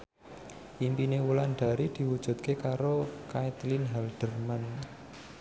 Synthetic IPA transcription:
ʔimpinewulanɖ̥a̤ɾid̪̥i̤wud̥ʒ̥ṳt̪̚kekaɾokajt̪linɦɛlɖ̪̥ə̤rman

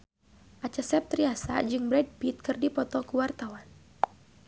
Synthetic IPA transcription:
ʔat͡ʃasɛp̚t̪ɾiasa̰d͡ʒɨŋbɾɛd̚pit̪̚kɨrdipɔt̪ɔkuwart̪awan

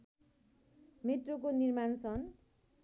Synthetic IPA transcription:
met̪rokonirmansʰʌn

